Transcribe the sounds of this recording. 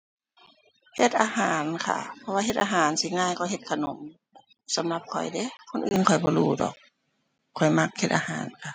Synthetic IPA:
he˧t̪̚ʔaː˧haː˨˦nkʰa̰˧˩pʰɔ˧waː˧ɦe˧t̪ʔaː˧ɦaː˨˦nsiː˧˦ŋaː˧˨jkɔː˧˩ɦe˧t̪̚kʰa˧no˨˦m | sa˨˦mla˧p̚kʰɔ̰˨˩jde˧˦kʰo˧˨nʔɯ̰ː˨nkʰɔ˨˩jbɔː˧˦luː˧˩dɔ̰ː˨˩k̚ʰː | ɔ˨˩jma˧k̚he˧t̪̚ʔaː˧haː˨˩˦nkʰa˧˩

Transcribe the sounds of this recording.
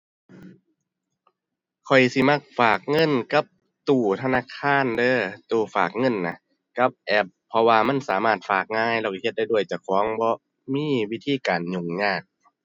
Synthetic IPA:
kʰɔ˨˩jsi˧˦ma˧˥˩k̚faː˨˩k̚ŋɤ˧˥˨nka˧˦p̚ | t̪uː˧˩t̪ʰa˧naː˧˥˨kʰaː˧˥˨ndɤː˧˥˨t̪uː˨˩fa̰ː˨˩k̚ŋɤ˧˥˨nːa˧ | ka˧˦p̚ʔɛ˧˩p̚ʰːɔ˧waː˧ma˧˥˨nsa̰ː˨˦maː˧˩t̪̚faː˨˩k̚ŋaː˧˥˨jlɛ˧˩wka˧˩he˧t̪̚da˧˨jdu˧˩əjt͡ɕa˧˩kʰɔː˨˦ŋbɔː˧˦ | miː˧˥˨wi˧˥t̪ʰiː˧˨kaː˨˩nɲo˨˩ŋɲaː˧˩k̚

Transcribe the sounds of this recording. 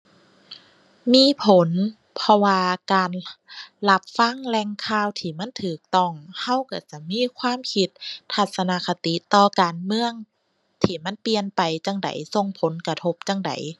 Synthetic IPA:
miː˧˥˨pʰo˨˦n | pʰɔ˧waː˧kaː˨nla˧p̚fa˧˥˨ŋlɛ˧˨ŋkʰaː˧˥˨wt̪ʰiː˧˩ma˧˥˨nt̪ʰɯː˨˩k̚t̪ɔ˧˥˩ŋha˧˥˨wka˧˩t͡ɕa˧˩miː˧˥˨kʰwaː˧˥˨mkʰi˧˥t̪̚ːʰa˧˩t̪̚sa˧na˧˥kʰa˧t̪i˧˦t̪ɔː˧kaː˨nmɯ˧əŋ | t̪ʰiː˧˩ma˧˥˨npi˧ənpa˨˩jt͡ɕa˧ŋda̰˨˦jso˧ŋpʰo˨˦nka˧t̪ʰo˧˥p̚t͡ɕa˧˨ŋda̰˨˩˦j

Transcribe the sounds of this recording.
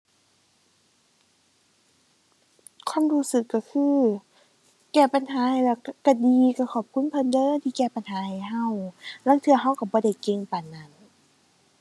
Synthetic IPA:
kʰwaː˧˥˨mhuː˧˥sɯ˨˩kːa˧˩kʰɯː˧ | kɛː˧˩pa˧˨nɦaː˨˦ha˨jlɛ˧˩wka˧˩diː˧˦ka˧˩kʰɔː˨˩p̚kʰu˧˥˨npʰɤ˧˨ndɤː˧˨nt̪ʰiː˧˩kɛː˧˩pa˧˨nhaː˨˦ha˨˩jɦa˧˨wlaː˧˥˨ŋt̪ʰɯ˧ɐɦa˧˨wka˧˩bɔː˧˦da˧˩jke˧˨ŋpa˨˩nːa˧˩˨n

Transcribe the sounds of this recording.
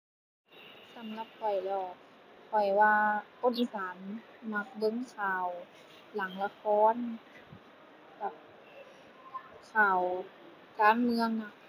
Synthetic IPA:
sa˨˦mla˧p̚kʰɔ˨˩jlɔː˧˩ | kʰɔ˨˩jwaː˧ʔo˧˩ti˧saː˨˦nma˧k̚bɤ˧˥ŋkʰaː˨˩w | la˨˦ŋla˧kʰɔː˧˥˨n | ka˨˩p̚ | kʰaː˨˩w | kaː˧˨nmɯ˧əŋna˧˩

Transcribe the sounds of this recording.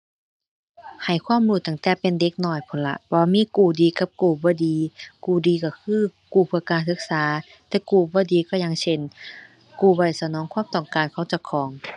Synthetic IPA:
ha˨˩jkʰwaː˧˥˨mluː˧˩t̪a˧˩ŋt̪ɛː˧˩pe˧˨nde˧˦k̚nɔː˧˩jpʰo˨˦nla̰˧bɔː˧˦miː˧˥˨kuː˨˩diː˨˧ka˧˦p̚kuː˧˩bɔː˧˦diː˧˦kuː˧˩diː˧˨ka˧˩kʰɯː˧˥˨kuː˧˩pʰɯ˧˩əkaː˧nsɯ˧˥k̚saː˨˦ | t̪ɛː˧˩kuː˧˩bɔː˧˦diː˧˨kɔː˧˩˨ja˧ŋsʰe˧˩n | kuː˧˩bɔː˧˩˨jsa˧nɔː˨˦ŋkʰwaː˧˥˨mt̪ɔː˨˩ŋkaː˨nkʰa˧˩˨wt͡ɕa˧˩kʰɔː˨˦ŋ

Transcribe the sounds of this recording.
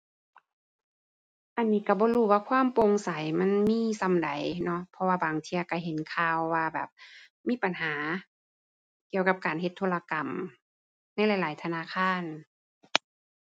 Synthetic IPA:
ʔa˨nːiː˧˥˩ka˧˩bɔː˧˦duː˧˩waː˧˨kʰwaː˧˥˨mpo˧ŋsa˨˦jma˧˥˨nmiː˧˥sa˨˧˦mda˨˩˦jnɔ˧˥pʰɔ˧waː˧baː˨˩ŋt̪ʰiː˧ɐ˧ka˧˩ɦe˨˦nkʰaː˧wːaː˧bɛ̰ː˨˩p̚ | miː˧˥˨pa˨nɦaː˨˦ | ki˧˨əwka˧˥p̚kaː˨nhe˧t̪ʰːoː˧˥˨la˧ka˨˩m | na˧˥˩jla˨˧˦jlaː˨˦jt̪ʰa˧naː˧˥˨kʰaː˧˥˨n

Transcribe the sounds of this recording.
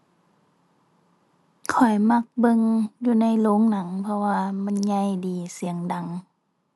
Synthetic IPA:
kʰɔ˨˩jma˧˩k̚bɤ˧ŋjuː˧na˧˥˨jloː˧˥˦ŋna˨˩˦ŋpʰɔ˧waː˧ma˧˥˨nɲa˧˩jdiː˨˩si˨˩˦əŋda˨˩˦ŋ

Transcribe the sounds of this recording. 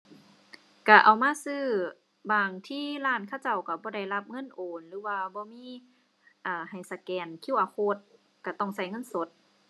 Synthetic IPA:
ka˧˩ʔa˨˩wmaː˧˥˨sɯː˧˩ | baː˧˩ŋt̪ʰiː˧˥˨laː˧˩˨nkʰa˧˥˨wt͡ɕa˧˩wka˧˩bɔː˧˦da˧˩jla˧˦p̚ŋɤ˧˥˨nʔoː˨nlɯː˧˦waː˧bɔː˧˦miː˧˥˨ | ʔaː˧˩ha˨˩jsa˧kɛː˨˩nkʰi˧˥˨wʔa˨˩kʰo˧˥t̪̚ | ka˧˩t̪ɔ˧˩ŋsa˧˩jŋɤ˧˥˨nso˧˦t̪̚

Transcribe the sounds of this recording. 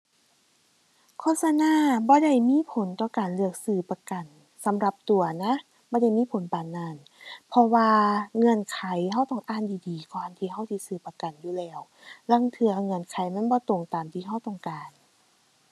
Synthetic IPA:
kʰoː˧˥t̚sa˧naː˧˥˨bɔː˧˦da˧˩jmiː˧˥˨pʰo˨˦nt̪ɔː˧˩kaː˨˩nlɯ˧˩ək̚sɯː˧˩pa˧ka˨˩n | sa˨˦mɾa˧p̚t̪u˨˩ɐna˧˦˥ | bɔː˧˦da˧˩˨jmiː˧˥˨pʰo˨˦npaː˨˩nːaː˧˩n | pʰɔ˧waː˧ŋɤ˧˥˨nkʰa˨˦jha˧˩˨wt̪ɔ˧˩ŋʔaː˧˩˨ndiː˨diː˨˩kɔː˧˨nt̪ʰiː˧ɦa˧˥˩wt̪ʰiː˧sɯː˧˩pa˧ka˨˩njuː˧˩lɛː˧˩w | la˧˥˨ŋt̪ʰɯ˧ɐŋɤ˧˩˨nkʰa˨˦jma˧˥˨nbɔː˧˦t̪o˨˩ŋt̪aː˨mt̪ʰiː˧ɦa˧˩wt̪ɔ˧˩ŋkaː˨n

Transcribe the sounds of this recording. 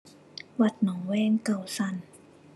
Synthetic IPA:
wa˨˩t̪̚nɔː˩˦ŋwɛː˧˥˩ŋka˨˩wsa˧˩n

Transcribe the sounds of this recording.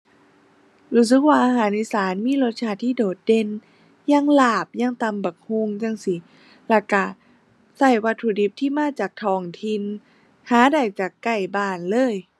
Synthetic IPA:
ɾuː˧˥˩s̬ɯ˧˦k̚waː˧˩ʔaː˧ɦaː˩˦nʔiː˧˨saː˨˩˦nmiː˧˥˨lo˧˥t̪̚t͡ɕʰaː˧˩t̪ʰiː˧˩˨doː˨˩t̪̚de˧˩˨n | jaː˧˥˨ŋlaː˧˩p̚jaː˧˩˨ŋt̪a˧˩mba˨˩k̚ho˧˥˨ŋt͡ɕa˧˩ŋsi˧˩ | lɛ˧˩ka˧˩ | sa˧˩jwa˧˥t̪ʰːu˧˩di˧˦p̚t̪ʰiː˥˩maː˧˥˨t͡ɕaː˨˩k̚t̪ʰɔː˧˩ŋt̪ʰi˧n | haː˨˦da˨˩jt͡ɕaː˨˩kːa˧˩jbaː˧˩nlɤː˧˥˨j

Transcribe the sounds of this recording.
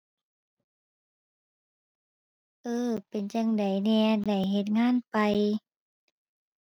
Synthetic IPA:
ʔɤː˧˩pe˨˩nt͡ɕa˧ŋda˨˩jnɛː˧da˨˩jɦe˧˦t̪̚ŋaː˧˥˨npa˨j

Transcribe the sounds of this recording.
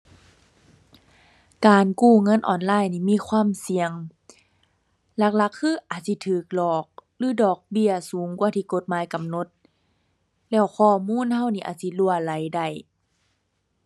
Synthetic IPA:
kaː˨nkuː˧˩ŋɤ˧˥˨nʔɔ̰ː˨˩nlaː˧˥˨jniː˧˩miː˧˥˨kʰwaː˧˥˨msi˨˧əŋ | la˧k̚la˧˦kʰːɯː˧˥˨ʔaː˨˩t̪̚si˧˦t̪ʰɯː˨˩k̚lɔː˨˩k̚lɯː˧˩˨dɔː˨˩k̚bi˧˩ɐsuː˨˦ŋkwaː˧˩˦t̪ʰiː˧˨ko˧˦t̪̚maː˨˦jka˨mno˧˦t̪̚ | lɛː˧˩wxʰɔː˧˩˨muː˧˥˨nha˧˩˨wniː˧˩ʔa̰˨t̪̚si˧lu˧˩ɐla˨˦jda˧˩j

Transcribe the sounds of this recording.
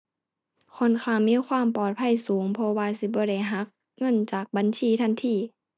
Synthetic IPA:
kʰɔ˧˨nkʰaː˧˩˨ŋmiː˧˥˨kʰwaː˧˥˨mpɔː˨˩t̪̚pʰa˧˥˨jsuː˨˦ŋpʰɔ˧waː˧si˧˦bɔː˧ɾa˧˩jɦa˧˦˥k̚ | ŋɤ˧˥˨nt͡ɕaː˨˩k̚ba˨˦nsiː˧˨t̪ʰa˧˥˨nt̪ʰiː˧˩

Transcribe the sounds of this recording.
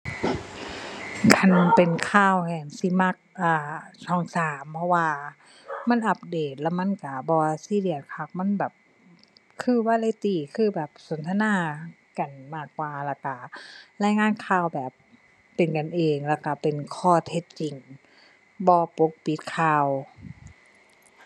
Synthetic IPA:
kʰa˧˥˩npe˨˩nkʰaː˧˥˨whɛː˧˩nsi˧˦ma˧˥k̚ʔaː˧˩t̪ʰɔː˧˩ŋsaː˨˦mpʰɔ˧waː˧ | ma˧˥˨nʔa˧˦p̚deː˨˩t̪̚lɛː˧˨wma˧˥˨nka˧˩bɔː˧si˧˥˨li˧˩ət̪̚kʰa˧˩k̚ma˧˥˨nbɛː˨˩p̚ | kʰɯː˧˩˨waː˧˥˨la˧˨t̪iː˧˨˩kʰɯː˧˩˨bɛː˨˩p̚so˨˦nt̪ʰa˧naː˧˩˨ | ka˨˩nmaː˧˥˩kːwaː˧la˧˩ka˧˩laː˧˥˨jŋaː˧˥˨nkʰaː˧˩˨wbɛː˨˩p̚ː | e˨˩nka˨nʔeː˨ŋlɛː˧˩ka˧˩pe˨nkʰɔː˧˩t̪ʰe˧t̪̚t͡ɕi˨ŋ | bɔː˧˦po˧˦k̚pi˧˦t̪̚kʰaː˧˨w

